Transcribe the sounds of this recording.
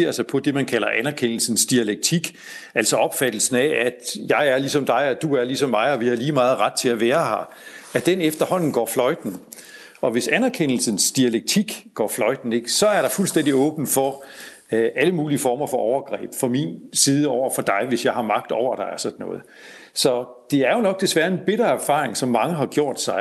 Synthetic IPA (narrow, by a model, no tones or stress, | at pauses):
eɐsɑ̈ɪpʰɒ̽d̥e̝mænkʰælɐʔænæɐkʰen̰l̩sn̩sd̥iæleɡ̥̚t͡sʰiɡ̥ | ælsɒ̽ɒ̽b̥fæd̥l̩sn̩æʔæ̥jɑ̈ɪæɐlisɒ̽md̥ɑ̈ɪɒd̥uæɐlisɒ̽mːɑ̈ɪɒ̽ʋihɑ̈liːmɑ̈ːð̞̩ˠʁɑ̈d̥̚t͡sʰe̝læʋæːɐhɑ̈ | æd̥enefd̥ɐhɒ̽n̰n̩ɡ̥ɒ̰ːflɒ̽ɪd̥n̩ | ɒ̽ʋe̝sænæɐkʰen̰l̩sən̩sd̥iæleɡ̥̚t͡sʰiɡ̥ɡ̥ɒ̰ːflɒ̽ɪd̥n̩e̝ɡ̥sɒ̽æɐɾ̥ɑ̈fulsd̥en̰d̥iɔ̽ːb̥n̩fɒ̽ | ʔæləmuːliəfɒːmɐfɒ̽ʔɒʊɐɡ̥ʁɛ̰ːb̥fɒ̽mḭnsiːð̞ˠəɒʊ̰ɐfɒ̽d̥ɑ̈ɪʋe̝sjɑ̈ɪhɑ̈mɑ̈ɡ̥̚d̥ɒʊ̰ɐɾ̥ɑ̈ɪɒsɒ̽d̥n̩ɔ̽ːð̞̩ˠ | sɒ̽d̥e̝æɐjo̝nɒ̽ɡ̥̚d̥e̝sʋæːɐe̝nb̥e̝ɾ̥ɐæɐfɑ̰̈ːʁeŋsɒ̽mːɑ̈ŋəɦɑ̈ɡ̥jo̝ɐ̰d̥sɑ̈ɪ